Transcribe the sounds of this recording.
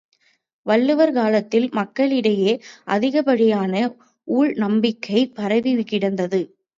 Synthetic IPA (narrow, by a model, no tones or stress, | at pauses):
ʋɐlːɯʋɐɾkaːlɐt̪ːɪlmɐkːɐɭɪɽɐjeːʔɐðɪɣɐpɐɽɪjaːnɐ | ʔuːɻnɐmbɪkːɐɪpɐɾɐʋiʋɪkːɪɽɐnd̪ɐðɯ